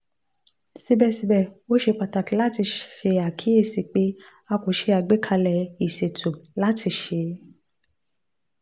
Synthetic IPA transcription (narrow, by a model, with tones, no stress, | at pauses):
si˧bɛ˧˨si˧bɛ˦˨o˦ʃe˧k͡pa˨ta˨ki˨˦la˦ti˧ʃʃe˧a˨kʰi˨˦e˦˨si˨k͡pe˦ | a˧ko˨˦ʃe˧a˧˨ɡ͡be˦kʰa˧lɛ˨i˨se˨tʰu˨la˦tʰi˧ʃe˧˦